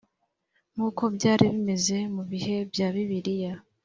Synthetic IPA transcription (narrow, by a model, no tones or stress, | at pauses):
ŋuːko̞bɟaːɾiβime̞ze̞muβihe̞bjaːβiβiɾija